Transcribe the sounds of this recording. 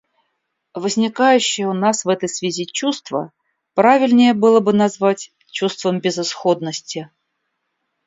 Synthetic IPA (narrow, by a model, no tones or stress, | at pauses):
vəzʲnʲɪkajʉɕːɪjəʊnasvɛt̪əjsvʲɪzʲit͡ɕust̪və̰ | pɾavʲɪlʲnʲɪjəbɨlˠəbɨnazvatʲ | t͡ɕust̪vəmbʲɪzɨsxod̪nəsʲtʲɪ